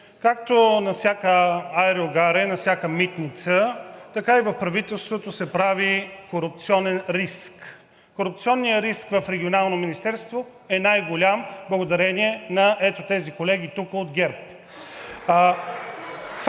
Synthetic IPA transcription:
kak̚t̪onɐfsʲjakəaɛɾlɡaɾɛnɐfsʲjakəmit̪nit̪sət̪ɐkaivɐfpɾɐvit̪ɛlˠst̪vot̪osɛpɾavikoɾʊp̚t̪siɔnɛnɾisk | koɾʊp̚t̪siɔnːijəɾiskvəfɾɛɡʲionalˠnominist̪ɛɾst̪vo | ɛnajɡolʲamblˠəɡod̪ɐɾɛniɛnɐʔɛt̪ot̪ɛzikolɛɡʲit̪ukəod̪ɡʲɛɾp | f

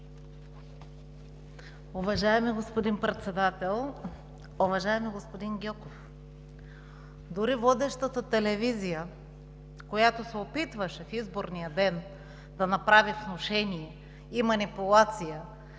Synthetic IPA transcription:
ʊvɐʒaɛmiɡospod̪inpɾɛt̪sɛd̪at̪ɛlˠ | ovɐʒaɛmiɡospod̪inɡʲɔkof | d̪ʊɾivɔd̪ɛʃt̪ət̪ət̪ɛlɛvizijə | kojat̪osɛopit̪vɐʃɛfizboɾnijəd̪ɛn | d̪ɐnɐpɾavifnoʃɛniɛ | imɐnipulˠat̪sijə

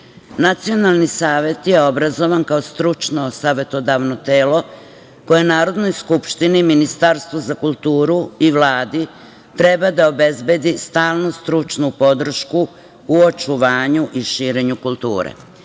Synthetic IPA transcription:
nat̪sio̞nalˠnisaːʋe̞t̪je̞o̞bɾazo̞ʋankaost̪ɾut͡ʃnosaːʋe̞t̪od̪aʋnot̪eːlo̞ | ko̞jenaːɾo̞d̪no̞jskupʃt̪iniminist̪aɾst̪ʋozakulˠt̪uːɾuiʋlˠaːd̪i | t̪ɾe̞bad̪ao̞be̞zbe̞d̪ist̪aːlˠnust̪ɾut͡ʃnupo̞d̪r̩ʃkuː | o̞t͡ʃuʋaːɲuʔiʃiːɾe̞ɲukulˠt̪ṵːɾḛ

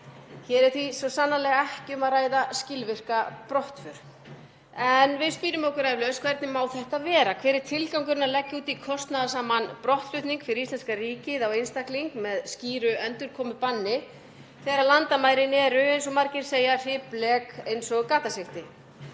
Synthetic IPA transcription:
çɛːɾɛɾ̥θvisɔsanːalɛːɣaɛhcɪʏmaðraːjðascɪlvɪr̥kapɾɔht̪fʏɾ̥ | ɛnvɪðspiːɾʏmɔhkʏɾaːjvlœskʰv̥ɛɾt̪nɪmawθɛht̪aðvɛːɾakʰv̥ɛːɾɪɾ̥t̪ʰɪlkawŋkʏɾɪnalɛcːauːt̪ikʰɔst̪naðasaːmanpɾɔht̪flʏht̪niŋkfɪɾɪɾist̪lɛnskariːcɪðawejnst̪akliŋkmɛðsciːɾʏɛnt̪ʏɾ̥kʰɔːmʏpanːɪ | θɛːɾalant̪amaːjɾɪnɛːɾʏejnsɔmaɾcɪɾ̥seːjarɪːplɛkejnsɔɣkaːt̪aseft̪ɪ

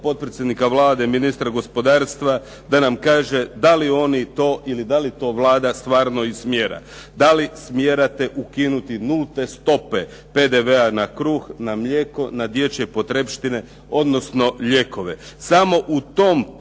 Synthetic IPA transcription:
po̞t̪̚pɾet̪sʲje̞d̪nikaʋlˠaːd̪eminist̪ɾaɡo̞spo̞d̪aːɾst̪ʋa | d̪anamkaːʒe̞d̪alio̞nit̪o̞ːʔilid̪alit̪o̞ʋlˠaːd̪ast̪ʋaːɾno̞ismjeːɾa̰ | d̪alismje̞ɾat̪e̞ʔukinut̪inulˠt̪e̞st̪o̞pe̞ | pe̞d̪e̞ʋeanakɾuːxnamʎʲekonad̪je̞t͡ɕeipo̞t̪ɾepʃt̪ine̞ | o̞d̪no̞sno̞ʎe̞ko̞ʋe̞samo̞ʔut̪o̞m

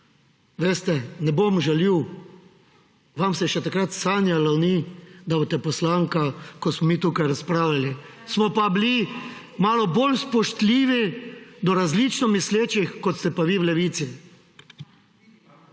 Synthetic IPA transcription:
ʋeːst̪ɛnɛbomʒɛliw | ʋamsɛʃɛt̪akɾat̪saːnjalawnid̪abot̪ɛpɔslaŋkakɔsmɔmiːt̪ukajɾaspɾaːwlali | smɔpabili | maːlɔbolspɔʃt̪liːʋid̪ɔɾazlit͡ʃnɔmisleːt͡ʃixkɔt̪st̪ɛpaʋiwlɛʋiːt̪si

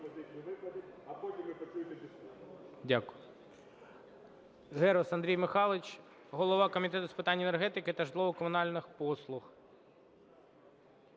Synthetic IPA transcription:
ɐzɪkʲnʲiʋɪpɐd̪ʲɪɐpodʲɪmɨpɐt͡ʃujt̪ʲɐtʲɪsʲidʲakʊjʊ | ɣɛɾɔsɐnd̪ɾʲijmɪxɑlˠɪt͡ʃ | ɦɔlˠɔʋɑkɔmʲit̪ɛt̪ʊspɪt̪ɑnʲːɐɛnerɦɛt̪ɪkɪt̪ɐʒd̪lˠɔʋɔkɔmʊnɑlʲnɪxpɔslˠʊx

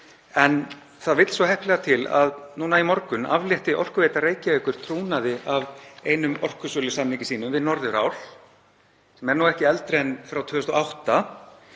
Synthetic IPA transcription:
ɛn | θaðvɪt̪l̥svɔhɛhplɛɣat̪ʰɪla̰ðnuːnaimɔɾkʏna̰vljɛht̪ɪʔɔr̥kʏveːjt̪areːjcɪveːkʏɾ̥t̪ʰɾuːnaðɪaveːjnʏmɔr̥kʏsʏːlʏsanːiŋcɪsiːnʏmvɪðnɔɾðʏɾa̰ːwl̥ | sɛmɛɾnuɛhcɪɛlt̪ɾenfɾawt̪ʰʏːʏst̪ɔawht̪a

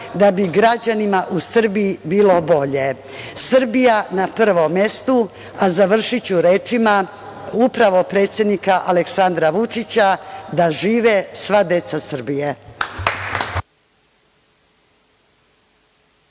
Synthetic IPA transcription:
d̪abiɡɾad͡ʑanimaʔusr̩bijibiːlo̞bo̞ʎe̞ | sɨr̩bijanapr̩ʋomje̞st̪u | azaʋr̩ʂit͡ɕuɾe̞ːt͡ʂima | upɾaʋo̞pɾe̞ːt̪sjed̪nikaʔaleksand̪ɾaʋut͡ʂit͡ɕad̪aʒiːʋesʋad̪e̞t̪sasɨr̩bije̞

